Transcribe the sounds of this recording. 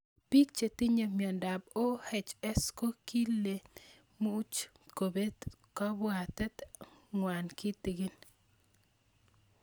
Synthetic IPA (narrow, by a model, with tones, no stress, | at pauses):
pi˦k̚t͡ʃe˨t̪i˦ɲe˨mjɔ˨nda˨b̚o˦hɛ˨t͡ʃɛ˦sko˦ki˦lːe˨ | mu˦t͡ʃ | ko˨be˦t̪ka˦bʊ˦a˨t̪ɛ˦t̪ŋwa˨nki˦t̪i˨ɡɪ˦n